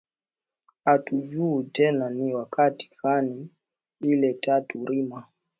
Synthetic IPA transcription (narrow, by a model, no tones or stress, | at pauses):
atud͡ʒuːtɛnaniwakati̥hani | ilɛtatuɾima